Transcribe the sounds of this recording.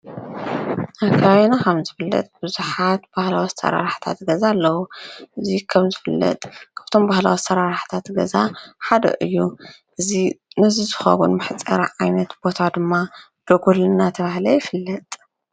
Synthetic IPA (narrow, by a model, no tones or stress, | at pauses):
ʔakʰaβenakʰɐmzɨfɨlːɐ̰t̪ʼb̥ɨzuħat̪̚bahlawist̪ʰɐ̰ɾa̰ɾħt̪ʰa̰t̪ɡɐzalːɐwuʔɨzikʰɐmzɨfɨlːɐ̰t̪ʼkʰaβt̪ʰo̞mbahla̰wist̪ʰɐɾaɾħt̪ʰat̪ɡɐ̰zaħad̪ɐ̰ʔɨjːu | ʔɨzinɨzizɨxɐ̰βunmɨħt͡sʼɐ̰ɾʕajnɐt̪bo̞t̪ʰad̪ɨmːa | b̪̥ɐɡulɨnat̪ʰɐβahlɐjɪfɨlːɐt̪ʼ